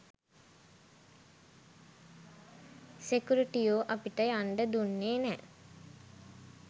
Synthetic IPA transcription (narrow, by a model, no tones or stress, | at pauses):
sekuɾiʈijoːʔapiʈəjaɳɖəd̪unːeːnɛ